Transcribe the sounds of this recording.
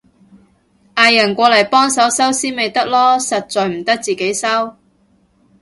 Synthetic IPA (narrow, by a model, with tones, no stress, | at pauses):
ʔaː˨˧jːɐ˨˩nkʷɔː˧lɐ˨˩jpɔː˥ŋsɐ˨˥wsɐ˥wsiː˥nme˨˧jt̪ɐ˥k̚lɔː˥sɐ˨t̚t͡sɔː˨˧jm̩˨˩t̪ɐ˥k̚t͡siː˨ke˨˥jsɐ˥w